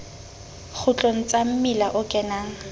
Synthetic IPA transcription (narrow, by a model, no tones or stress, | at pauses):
k͡xʰʊt͡ɬʼon̩t͡sʼam̩mɪlaʔʊkʼɛnaːŋ̩